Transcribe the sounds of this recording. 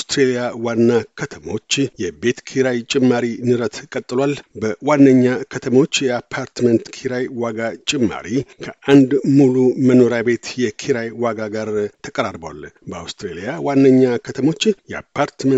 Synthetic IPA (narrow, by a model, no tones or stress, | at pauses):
awst̪ɾelijawanːakʰət̪ʰəmo̞t͡ʃːjɛbe̞t̪kʰiɾajt͡ʃʼɪmːaɾinɨɾət̪kʼət̪ʼːɨlwalbəwanːəɲːakʰət̪ʰəmo̞t͡ʃːjɛapʰaɾt̪mənt̪kʰiɾajwaɡat͡ʃʼɪmːa̰ɾikʰəʔand̪muluməno̞ɾjabe̞t̪jɛkʰiɾajwaɡaɡaɾt̪ʰəkʼəɾaɾbwa̰lbəa̰wst̪ɾelijawanːəɲːakʰət̪ʰəmo̞t͡ʃːjɛa̰pʰːaɾt̪mə